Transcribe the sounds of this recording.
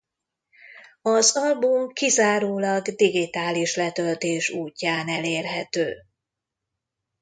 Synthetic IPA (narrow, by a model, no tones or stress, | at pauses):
ɒzɒlbumkizaːɾoːlɒɡd̪iɡit̪aːliʃlɛt̪ølt̪eːʃuːcːaːnɛleːrɦɛt̪øː